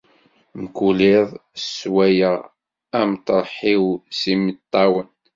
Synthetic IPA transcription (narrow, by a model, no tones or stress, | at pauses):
məkulɪðˤswæjəʁ | æmt̪ɾˤħiwsimət̪ˤːɑwən